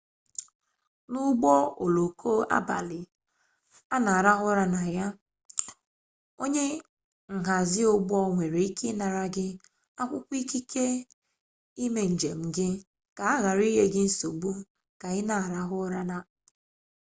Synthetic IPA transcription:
nʊ˦ɡ͡bɔ˦o˨lo˨kʰo˦ʔa̰˦ba˨lɪ˨ | a˦na˨a˨ɾa˦ɦʊ˦ɾa˦na˨ja˦ | o˦ɲe˦ | ŋ̩˨ɦa˨zɪ˦o˦ɡ͡bɔ˦ŋʷe˨ɾe˨i˦kɪ˦na˨ɾa˦ɡɪ˦ | a˦kʷʊ˦kʷi˦ki˦ke˦ | i˦me˨n̩˨d͡ʒe˨m̩˨ɡɪ˦ | ka˨a˦ɣa˨ɾi˦ɦe˦ɡɪ˦n̩˦so˨ɡ͡bu˦ | ka˨ɣɪ˦na˨a˨ɾa˦ɦʊ˦ɾa˦na˨

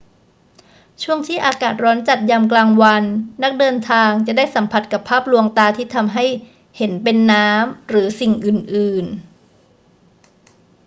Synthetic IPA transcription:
t͡ɕʰu˥˩əŋt̪ʰiː˥˩ʔaː˧kaː˨˩t̪̚ɾɔː˦˥nt͡ɕa˨˩t̪̚ja˧mklaː˧ŋwa˧nːa˦˥k̚dɤː˧nt̪ʰaː˧ŋt͡ɕa˨˩daː˥˩jsa˩˦mpʰa˧˩t̪̚ka˨˩pʰːaː˥˩p̚lu˧əŋt̪aː˧t̪ʰiː˥˩t̪ʰa˧mɦa˥˩j | he˩˦npe˧nːaː˦˥mɾɯː˩˦si˨˩ŋʔɯː˨˩nʔɯː˨˩n

